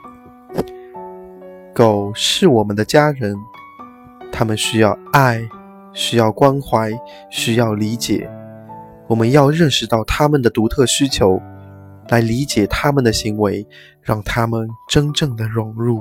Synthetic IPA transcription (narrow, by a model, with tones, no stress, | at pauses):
ko˨˩ʊʂɻ̩˥˩wɔ˨˩mə˦nd̪ə˧t͡ɕja˥ɻə˧˥n | t̪ʰa˥mə˨nɕy˥jɑ˥˩˧ʊa˥˩ɪ | ɕy˥jɑ˥˩ʊkwa˥nxwa˧˥ɪ | ɕy˥jɑ˥˩ʊli˧˥t͡ɕjɛ̰˨˩˦ | wɔ˨˩mə˦njɑ˥˧ʊɻə˥˧nʂɻ̩˧t̪ɑ˥˩ʊt̪ʰa˥mə˨nd̪ə˩t̪u˧˥t̪ʰɤ˥˩ɕy˥t͡ɕʰjo˧˥ʊ | la˧˥ɪli˧˥t͡ɕjɛ˨˩t̪ʰa˥mə˨nd̪ə˩ɕi˧˥ŋwe˧˥ɪ | ɻɑ˥˩ŋt̪ʰa˥mə˨nʈ͡ʂə˥nʈ͡ʂɤ˥˩ŋd̪ə˩ɻʊ˧˥ŋɻu˥˩